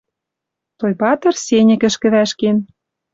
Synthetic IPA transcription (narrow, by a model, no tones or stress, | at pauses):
t̪ojpɑt̪ɤ̆rsenʲɘ̆kɘ̆ʃkɘ̆βæʃken